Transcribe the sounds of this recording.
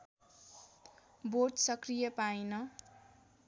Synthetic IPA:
borʈsʌkrijʌpajnʌ

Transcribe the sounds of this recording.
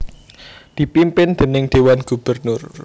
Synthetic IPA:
d̪̥i̤pimpɪnd̪̥ə̤nɪŋd̪̥e̤wanɡ̥ṳb̥ərnʊr

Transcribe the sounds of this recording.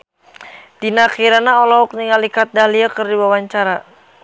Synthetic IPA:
dinakiɾanaɔlɔɔk̚niŋalikat̪̚dahliakɨrdiwawaɲt͡ʃaɾa

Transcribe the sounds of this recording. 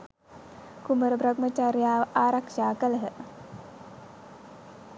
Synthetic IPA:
kuməɾəbɾɐɡmət͡ʃaɾjaːʋəʔaːɾakʂaːkələɦə

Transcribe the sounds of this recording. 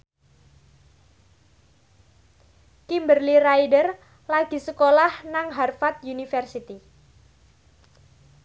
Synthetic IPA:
kimbərliraidər | laɡ̥i̤səkolahnaŋɦarfat̪̚junifərsit̪i

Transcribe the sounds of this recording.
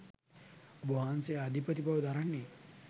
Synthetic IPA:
boaːnsejad̪ʱipət̪ibaʋd̪ʱaɾanːe

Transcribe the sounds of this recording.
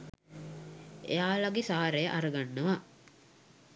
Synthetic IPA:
ḛjaːlaɡesaːaɾejəʔaɾəɡanːəʋa

